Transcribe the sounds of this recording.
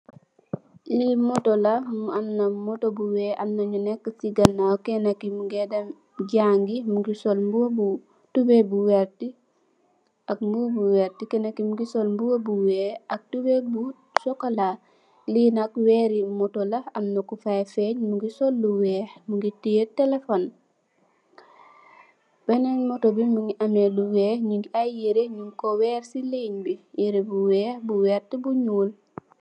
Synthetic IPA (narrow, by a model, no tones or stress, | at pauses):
limɔtɔlɐmuɐnːɐmɔtobuwɛːʔɐnːɐɲunɛkːəsiɡɐnːawkɛnɐkːimuɡɛdɐm | ɟaːŋɡimuɡisɔlbubu | tubɛbuwɛɾti | ɐk̚mbubuwɛɾtikɛnɐkːimuɡisɔlmbuwɐbuwɛːɐk̚tubɛbu | sɔkɐla | linakwɛːɾimɔtolɐɐmnokufajfɛɲmuɡisɔlːuwɛːxmuŋɡitijetɛlefon | b̥ɛnɛnmɔtobimuŋiʔɐmɛluwɛːhɲuŋɡiajjiɾeɲuŋkɔwɛːrsileɲbijiɾebuwɛːbuwɛːɾtibuɲuːl